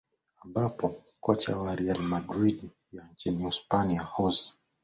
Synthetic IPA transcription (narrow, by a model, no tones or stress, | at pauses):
ambapɔ | kɔt͡ʃa̰waɾialmadɾiɗi | jant͡ʃiniuspaniahɔzi̥